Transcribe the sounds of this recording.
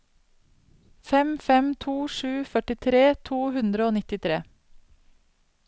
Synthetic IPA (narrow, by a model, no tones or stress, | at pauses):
fɛmfɛmt̪ʰuːʃʉːfœʈɪt̪ʰɾeːt̪ʰuːhʉnd̪ɾəoːnɪt̪ɪt̪ʰɾḛː